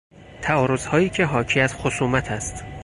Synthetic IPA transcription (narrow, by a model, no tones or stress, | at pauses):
t̪ʰæɒːɾo̞zhɒːjiːcʰe̞ɦɒːcʰiæz̥xosuːmæt̪ʰæst̪